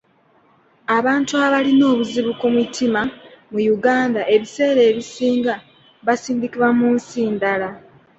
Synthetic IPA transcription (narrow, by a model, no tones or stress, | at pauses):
aβaːntuaβalino̞ːβuziβukomutʰːimamujuɡaːndaʔe̞βise̞ːɾe̞ːβisiːŋɡa | βasiːndikiβwamuːnsiːndala